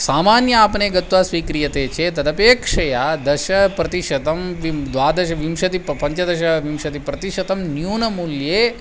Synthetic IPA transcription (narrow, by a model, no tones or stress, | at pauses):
saːmaːnjɐaːpneɡɐt̪ʋasʋiːkɾijɐt̪et͡ʃʰet̪ɐd̪ɐpeːkʂɐjad̪ɐʃɐpɾɐt̪iʃɐt̪ɐmʋid̪ʋaːd̪ɐʃɐʋimʃɐt̪ippɐɲt͡ʃɐd̪ɐʃɐʋimʃɐt̪ipɾɐt̪iʃɐt̪ɐmnjuːnɐmulje